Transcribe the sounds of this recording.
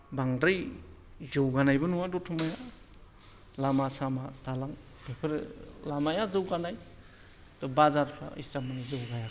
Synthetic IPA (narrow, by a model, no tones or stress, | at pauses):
baŋdɯj | zɯwɡanajbɯnuwadɔtʰumaja | lamasamatalaŋ | pʰepʰɯɾlamajazɯwɡanaj | tɔbazaɾpʰɾa̰ḭstamanizɯwɡaja